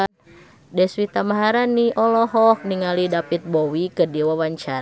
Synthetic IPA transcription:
dɛswit̪amaɦaɾaniʔɔlɔɦɔhniŋalidapit̪̚bowikədiwawaɲt͡ʃaɾ

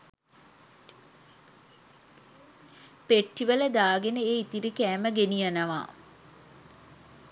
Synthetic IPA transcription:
peʈːiʋələd̪aːɡenəeːit̪iɾikæːməɡenijanəʋa̰

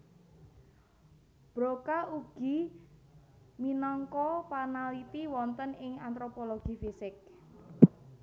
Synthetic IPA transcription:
b̥ɾokaʔuɡ̥i̤ | minɔŋkɔpanalit̪iwɔnt̪ənɪŋant̪ɾopoloɡ̥ifisɪk̚

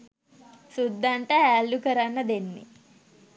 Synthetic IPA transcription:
sud̪ːaɳʈəælːukəɾanːəd̪enːḛ

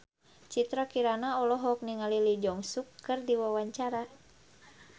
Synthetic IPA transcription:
t͡ʃit̪ɾakiɾanaɔlɔɦɔk̚niŋalilid͡ʒɔŋsukːɨrdiwawaɲt͡ʃaɾa

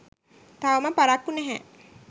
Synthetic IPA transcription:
t̪aʋəməpaɾakːunɛɦæ

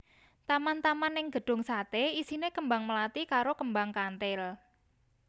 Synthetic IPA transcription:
t̪amant̪amanːɪŋɡ̥ə̤ɖ̥ʊ̤ŋsat̪eisinekəmbaŋməlat̪ikaɾokəmbaŋkant̪ɪl

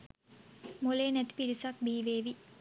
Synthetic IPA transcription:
moleːnɛt̪piɾisak̚bʱiːʋeːʋi

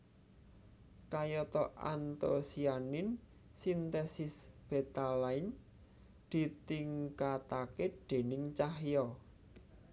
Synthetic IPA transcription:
kajɔt̪ɔʔa̰nt̪osianɪn | sint̪ɛsɪsb̥et̪alaɪn | d̪̥i̤t̪iŋkat̪aked̪̥e̤nɪŋt͡ʃahjɔ

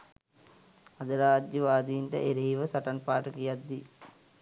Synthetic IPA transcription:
ad̪əɾaːd͡ʒjəʋaːd̪iinʈə̰ʔeɾiɦiʋəsaʈanpaːʈəkijad̪ːi

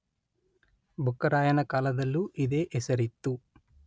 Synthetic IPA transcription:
bʱukːɐɾaːjɐnɐkaːlɐd̪ɐlːuʔid̪e̞ːʔɛsɐɾit̪ːu

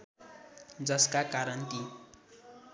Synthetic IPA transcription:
d͡zʌskakaɾʌnt̪i

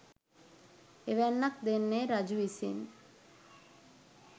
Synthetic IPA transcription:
eʋɛnːɐk̚d̪enːeːɾɐd͡ʒuʋisin

